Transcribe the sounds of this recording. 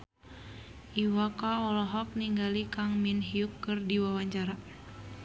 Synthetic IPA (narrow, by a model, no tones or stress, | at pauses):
ʔiwakaɔlɔɦɔk̚niŋɡalikaŋminɦiukːɨrdiwawaɲt͡ʃaɾa